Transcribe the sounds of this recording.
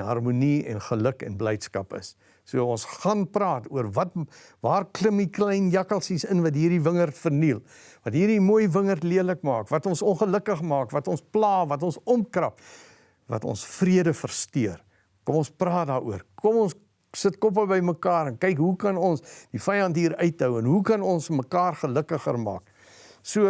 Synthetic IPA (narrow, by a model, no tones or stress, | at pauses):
ɦɐrmuniɛ̰nχələkɛ̰nblɛjtskɐpə̰sː | uəɔnsχɐnprɑːtuərvɐt | vɑːrkləmiklɛjnjɐkəlˠsisənvɐtɦiːrdivəŋərtfərnilˠ | vɐtɦiːrdimuəjvəŋərtliənləkmɑːkvɐtɔnsɔnχələkəχmɑːkvɐtɔnsplɑːvɐtɔnsɔmkrɐp | vɐ̰tɔ̰nsfriədəfərstyər | kɔmɔnsprɑːdɑːɾuərkɔmɔns | sətkɔp̬əbəjməkɑːɾənkɛjkɦukɐnɔnsd̥ifɛjɐntɦiːɾœɥt̚dœwənɦukɐnɔnsməkɑːrχələkəχə̰rmɑ̰ːk | suə